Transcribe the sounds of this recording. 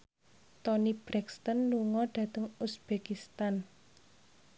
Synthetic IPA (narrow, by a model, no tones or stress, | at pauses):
t̪ɔnib̥ɾɛkst̪ɔnluŋɔɖ̥ä̤t̪əŋusb̥ekist̪an